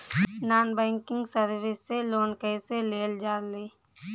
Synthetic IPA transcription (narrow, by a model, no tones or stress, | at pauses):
naːnbɛ̃ːŋkɪ̃ŋɡsəɾʋɪsːeloːnkəɪseleːld͡ʒaːleː